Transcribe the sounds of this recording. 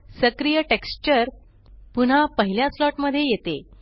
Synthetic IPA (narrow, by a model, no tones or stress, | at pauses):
səkɾijəʈekst͡ɕəɾ | pun̤apəɦiljaslɔʈməd̪ʱːjejet̪e